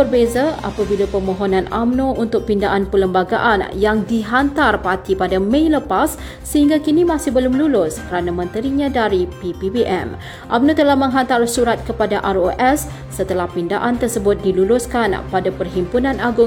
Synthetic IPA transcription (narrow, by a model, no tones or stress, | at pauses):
bərbezaa̰pabilapəmõɦonãnamnõunt̪ʊk̚pindaʔanpələmbaɡaʔanjaŋdiɦant̪arpat̪ipadamẽjləpasː | əhiŋɡakinimasɪhbəlʊmlulʊskəɾanamə̃nt̪əɾiɲãdaɾipipibiʔɛ̰m | ʔamnõt̪əlahmə̃ŋɦant̪arsuɾat̪̚kəpadaʔaroʔɛsː | ət̪əlahpindaʔant̪ərsəbʊt̪̚dilulʊskanpadapərɦimpunãnaɡʊ